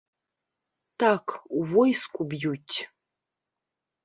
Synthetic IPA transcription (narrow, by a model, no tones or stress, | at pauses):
t̪akʰuvɔjskʷʼʊbjutʲʰ